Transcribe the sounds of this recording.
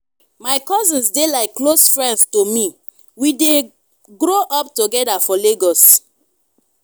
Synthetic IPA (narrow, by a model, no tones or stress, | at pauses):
maɪkɔzĩnsdelaɪkːlosfɹɛ̃ndstomi | wide | ɡɾoʔɔptoɡɛdafɔleɡɔs